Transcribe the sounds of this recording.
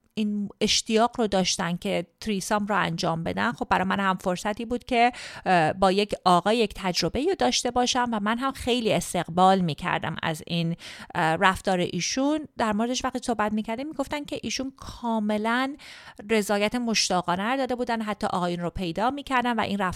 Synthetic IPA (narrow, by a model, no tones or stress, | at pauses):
ine̞ʃt̪ijɒːɣrod̪ɒːʃt̪ænd̪̚cʰe̞t̪ʰɾiːsɒmɾoæ̰nd͡ʒɒːmbe̞̰d̪ænxo̞b̚ːæɾɒːjmænhæmfo̞ɾsæt̪iːbuːd̪̥̚cʰe̞ | bɒːje̞cɒːɣɒːject̪ʰæd͡ʒɾo̞be̞iod̪ɒːʃt̪e̞bɒːʃænvæmænɦæmxe̞jliːe̞st̪e̞ɣbɒːlmiːcʰæ̰ɾd̪æ̰mæ̰zinræft̪ɒːɾḛʔiːʃund̪æɾmo̞ɾe̞d̪eʃvæχt̪iːsohbæt̪miːcʰæɾd̪imiːɡo̞ft̪æncʰe̞ʔiːʃunkʰɒːme̞lænre̞zɒːjæt̪ʰe̞mo̞ʃt̪ɒːɣɒːnæɾd̪ɒːd̪e̞buːd̪ænɦæt̪ʰːɒ̰ːʔɒːɣɒːjunropʰe̞jd̪ɒːmiːcʰæɾd̪ænvæ̰ʔḭnræf